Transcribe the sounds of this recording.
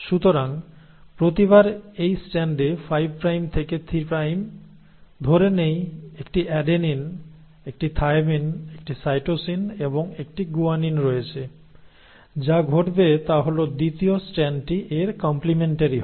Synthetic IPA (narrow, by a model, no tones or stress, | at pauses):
ʃut̪oɾaŋ | pɾot̪iβaɾejsʈɛɳɖefajb̚ʱpɾajmt̪ʰeket̪ʰɾipɾajm | d̪ʱoɾenejekʈiʔɛɖenin | ek̚ʈit̪ʰajminek̚ʈisajʈosineboŋek̚ʈiɡuaninɾɔet͡ɕʰe | d͡ʑaɡʱoʈbet̪aɦolod̪it̪iosʈɛnɖʈiʔeɾkɔmplimeɳʈaɾiɦɔ